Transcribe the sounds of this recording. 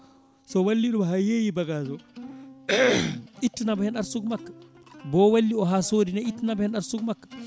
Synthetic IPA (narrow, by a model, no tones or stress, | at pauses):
sɔwalːiɗumɦajejibaɡaːd͡ʒɔ | ʔitːinabɔhɛnɗaɾsuɡmakːḁ | bɔwalːiɔɦaːsoːdinaitːinabɔhɛnɗaɾsuɡmakːḁ